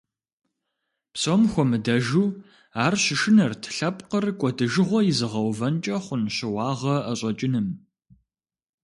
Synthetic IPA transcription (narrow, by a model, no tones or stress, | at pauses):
psomxʷɔmɨdɐʒuː | aːrɕɪʃɨnɐrtʰɬɐpʼqərkʷʼɔdɨʒɨʁʷɔjɪzɨʁɐwvɐnt͡ʃʼɐχʷʊnɕɪwɑːʁɐɐɕʼɔt͡ʃʼɪnɨm